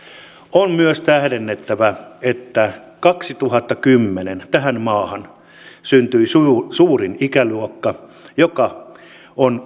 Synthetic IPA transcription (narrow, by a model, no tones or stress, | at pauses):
onmyøst̪æhɾenːet̪ːæʋæet̪ːækɑksit̪uhɑt̪ːɑkymːenent̪æhænmɑːhɑn | synt̪yissuːrinikæluokːɑjokɑ | on